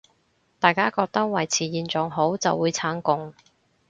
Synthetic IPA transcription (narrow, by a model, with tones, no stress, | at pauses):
t̪aː˨˩jkaː˥kɔː˧k̚t̪ɐ˥k̚wɐ˨˩jt͡sʰiː˨jiː˨˧nt͡sɔː˨ŋɦo˨˥wt͡sɐ̰˨wːuː˨˧jt͡sʰaː˨˥ŋkʊ˨˧ŋ